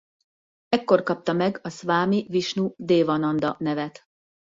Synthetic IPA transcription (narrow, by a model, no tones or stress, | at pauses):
ɛkːo̞rkɒp̚t̪ɒmɛɡɒsʋaːmiviʃnud̪eːvɒnɒnd̪ɒnɛvɛt̪